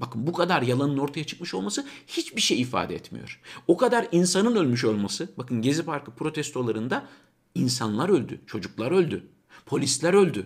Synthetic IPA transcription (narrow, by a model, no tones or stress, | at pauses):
bakɯnbukʰad̪aɾjalˠanɯno̞ɾt̪ʰajat͡ʃʰɯ̥kmɯʃo̞lˠmasɯhit͡ʃbiɾʃejifa̰ːd̪ɛɛ̰t̪mḭjo̞̰ɾ̥okʰad̪aɾinsanɯnø̞lʲmyʃo̞lˠmasɯbakɯnɟe̞zipaɾkʰɯpɾo̞t̪ʰɛst̪ʰo̞lˠaɾɯnd̪a | insanlˠaɾø̞lʲd̪y̰t͡ʃʰo̞d͡ʒuklˠaɾø̞lʲd̪y | pʰo̞lʲislʲæɾø̞lʲd̪y